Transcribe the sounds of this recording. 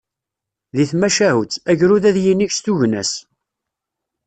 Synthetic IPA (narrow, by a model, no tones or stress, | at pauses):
ðiθmæʃæhut͡sːæʝɾuðæðjiniçst̪uʝnæ̰s